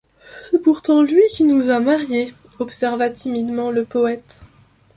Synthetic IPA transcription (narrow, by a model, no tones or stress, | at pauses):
sɛpuʁt̪ɑ̃lɥikʲinuzamaʁje | ɔpsɛʁvat̪imid̪mɑ̃ləpɔɛt̪